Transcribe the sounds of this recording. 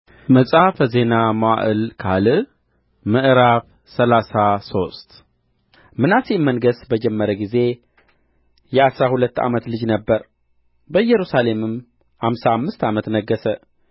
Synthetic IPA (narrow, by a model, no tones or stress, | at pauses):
məsʼafəze̞namaʔɨlkʰalɨ | mɨʔɨɾaf | səlasaso̞st̪ | mɨnasimːənɡəsbəd͡ʒɛmːəɾəɡize̞ | jɛasɾahulət̪ːa̰mət̪lɨd͡ʒnəbːəɾ | bəɨjːɛɾusale̞mɨm | hamsaːmːɨst̪amət̪nəɡːəsə